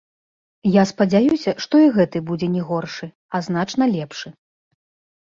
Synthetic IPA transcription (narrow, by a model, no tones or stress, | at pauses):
jaspɐd͡zʲajusʲɐʂt̪ɔiɣɛt̪ɨbud͡zʲɛnʲɛɣɔrʂɨ | ɐzn̪at͡ʂn̪ɐlʲɛpʂɨ